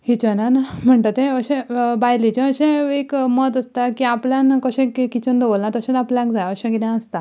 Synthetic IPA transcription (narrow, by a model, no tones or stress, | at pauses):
hit͡ɕənanam̤əɳt̪at̪ẽəɕẽbajlit͡ɕẽəɕẽekmət̪əst̪akiapljãnkəɕẽkekit͡ɕənd̪əʋolnat̪əɕẽnapljãkd͡zajaəɕẽkit̪ãəst̪a